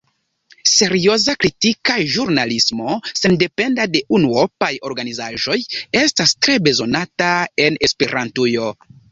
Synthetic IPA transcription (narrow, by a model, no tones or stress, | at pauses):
se̞ɾio̞zakɾitikaʒuɾnalismo̞se̞nde̞pe̞ndade̞ʔunuopajo̞ɾɡanizaʒo̞je̞stastɾe̞be̞zo̞natae̞ne̞spe̞ɾantujo̞